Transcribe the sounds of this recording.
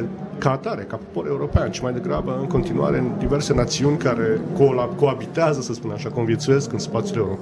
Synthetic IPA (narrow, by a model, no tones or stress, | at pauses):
kat̪aɾekapo̥po̞ɾe̞uɾo̞peanʃimajd̪e̞ɡɾa̰bəɨŋko̞nt̪inua̰ɾed̪ive̞rse̞nat̪siunʲkaɾe̞kolako̞abit̪eazəsəspunaʃakumviet̪suje̞skɨnspat̪sʲule̞uɾo